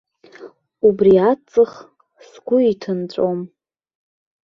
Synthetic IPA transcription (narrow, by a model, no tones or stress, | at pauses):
ubriat͡sʼɨχ | sɡʷʊitʰɨnt͡ɕʷʼom